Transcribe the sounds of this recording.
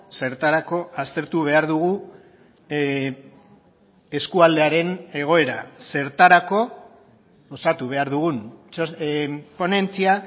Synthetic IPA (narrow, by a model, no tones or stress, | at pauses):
se̞ɾt̪aɾako̞ast̪e̞ɾt̪uβe̞aɾðuɣ̞u | e̞skuald̪e̞aɾe̞ne̞ɣ̞o̞e̞ɾa̰se̞ɾt̪aɾako̞ | osat̪uβ̞e̞aɾðuɣ̞unopo̞ne̞nt͡sia